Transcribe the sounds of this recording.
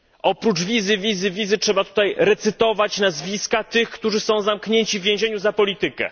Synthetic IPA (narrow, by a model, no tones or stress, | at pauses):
ʔɔpɾut͡ʂvʲizɘvʲizɘvʲizɘtʂɛbat̪u̥t̪ajɾɛt̪sɘt̪ɔvat͡ɕnazvʲiskat̪ɘxkt̪uʐɘsɔ̃w̃zamkɲeɲt͡ɕivvʲjẽw̃ʑeɲuzapɔlʲit̪ɘkɛ̰